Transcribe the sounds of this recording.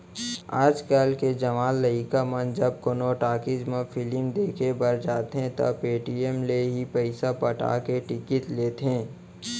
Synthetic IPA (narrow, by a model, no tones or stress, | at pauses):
a̰ːd͡ʒkalked͡ʒɐʋaːlːɐikamɐnd͡ʒɐb̚konoʈaːkɪd͡ʒmẽfʰɪlɪmd̪eːkʰebɐɾd͡ʒaːt̪ɦẽt̪ɐ̰peːʈiemleɦipəɪsapɐʈa̰ːkeʈɪkɪt̪leːt̪ẽː